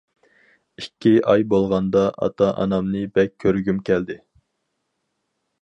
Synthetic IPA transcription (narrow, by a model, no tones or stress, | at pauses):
ikʲʰːiʔɑjbolˠʁɑnd̪ɑʔɑ̰t̪ʰɑʔɑ̰nɑmnɨbɛk̚ʲʰːøɾɡʲymkʲʰɛld̪ɪ